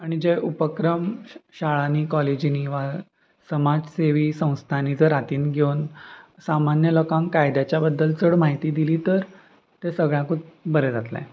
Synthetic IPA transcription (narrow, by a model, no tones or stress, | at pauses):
aɽ̃id͡ʑeʔupəkɾəmɕaɭanikɔled͡ʑiniʋa | səmad͡zseʋiːsə̃w̃st̪ʰanid͡zəɾat̪iːnɡʱewnsamanjəlokãŋkajd̪jat͡ɕjabəd̪ːəlt͡səɽmaɦit̪iːd̪iliːt̪əɾ | t̪esəɡɭjãkut͡s̪̚bəɾed͡zat̪lã̰